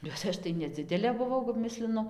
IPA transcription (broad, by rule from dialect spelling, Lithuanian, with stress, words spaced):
bʲɛt ˈɐʃ tɐɪ nʲɛˈd͡zʲɪdʲɛlʲeː bʊˈʋɐʊ kɐp ˈmʲɪsʲlʲɪnʊ